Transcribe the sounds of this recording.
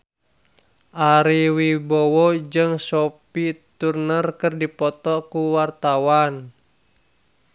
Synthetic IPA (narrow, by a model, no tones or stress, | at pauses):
ʔaɾiwibowɔd͡ʒɨŋsopit̪urnərkərdipɔt̪ɔkuwart̪awan